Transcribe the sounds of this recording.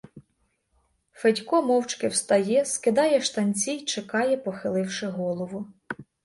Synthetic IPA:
fedʲkɔmɔwt͡ʃkɪwst̪ɐjɛskɪd̪ɑjɛʃt̪ɐnʲt͡sʲijt͡ʃekɑjɛpɔxɪlˠɪwʃɪɦɔlˠɔʋʊ

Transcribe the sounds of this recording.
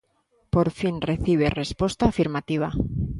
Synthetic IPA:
po̞ɾfinre̞θiβ̞e̞re̞spwo̞st̪aːfiɾmat̪iβ̞a̰

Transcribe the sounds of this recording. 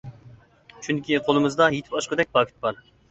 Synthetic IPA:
t͡ʃʰyŋkʲʰiqʰolˠɨmɨzd̪ɑjet̪ʰɪ̥pɑʃqəd̪ɛk̚ʲpʰɑːkʰʲi̥t̪̚bɑɾ

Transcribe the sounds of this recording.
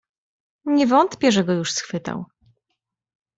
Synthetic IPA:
ɲɛvɔnt̪pʲjɛʐɛɡɔjuʂsxfɘt̪a̰w

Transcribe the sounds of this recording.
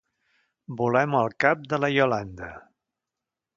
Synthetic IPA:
bulɛməlˠkap̚d̪ələjoland̪ə

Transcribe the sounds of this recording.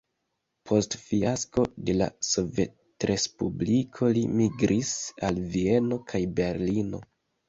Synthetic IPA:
pʰo̞stfiasko̞de̞la̰so̞ve̞t | ɾʔe̞spublikʰo̞limiɡɾʔisalvie̞no̞kʰajbe̞ɾlino̞̰

